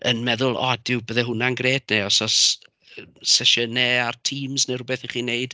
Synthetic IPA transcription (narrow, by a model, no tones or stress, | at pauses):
ənmɛðʊlˠɔ̰dɪwbəðɛɦʊnanɡreːdneɔsɔs | sɛʃənɛartʰiːmznerʊbɛθiχiːneɨd̥